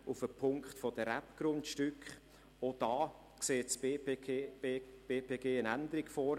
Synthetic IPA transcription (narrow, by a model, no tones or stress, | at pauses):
ufəpʰʊŋkχtfod̥əɾæpɡ̥ɾʊntʃtʏkχ | od̥ɑː | kseːts | b̥eːpʰeːɡeːənænd̪əɾiɡ̥fɔːɾ